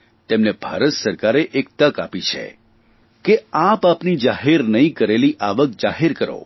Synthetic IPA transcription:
t̪emnebʱa̰ɾət̪səɾkaɾeʔek̚t̪əka̰pit͡ʃʰḛ | keapapnid͡ʒaɦeɾnəĩkəɾeliʔaʋək̚d͡ʒaɦeɾkəɾo̰

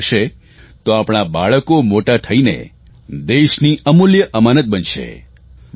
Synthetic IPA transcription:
ʃe | t̪oapɽ̃abaɭəkomoʈat̪ʰəinḛ | d̪eʃniəmuljəʔəmanət̪̚bənʃḛ

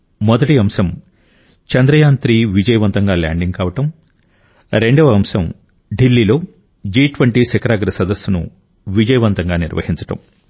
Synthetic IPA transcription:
mɔd̪ɐʈiɐmsɐm | t͡ʃɐnd̪ɾɐjaːnt̪ɾiʋid͡ʒɐjɐʋɐnt̪ɐŋɡaːla̰ːɳɖiŋɡkaːʋɐʈɐm | ɾe̞ɳɖɐʋɐɐmsɐm | ɖilːiːlo̞ː | d͡ʒiːʈʋɐɳʈiːsɛkɐɾaːɡɾɐsɐd̪ɐsːunṵ | ʋid͡ʒɐjɐʋɐnt̪ɐŋɡaːniɾʋʔɐ̰hiɲt͡ʃɐ̥ʈɐ̰m

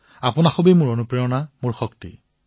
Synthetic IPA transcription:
apʊnaxobimʊɹonupɹijɔnamʊɹxɔktḭ

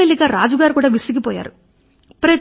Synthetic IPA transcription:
elːiɡaːɾaːd͡ʒuɡaːɾukuːɽaːʋisiɡipɔːja̰ːɾu | pɾɐ

